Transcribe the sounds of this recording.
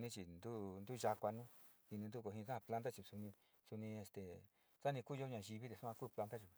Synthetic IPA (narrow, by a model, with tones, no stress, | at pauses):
nĩ˧t͡ʃi˨nd̪u˦nd̪u˦ʒa˧kʷa˧nũ˦ | hi˧nĩ˧nd̪u˦ko˧˨ɦĩ˧sa˦a˧pla˧˦nt̪̬a˦t͡ʃi˧˨su˧nĩ˧ | su˧nĩ˧e˧st̪e˨ | sa˦nĩ˧kuː˦˧jo˦ɲã˧˨ʒi˧βi˦d̪e˨su˦ã˧kuː˦˧pla˧t̪a˦t͡ʃu˨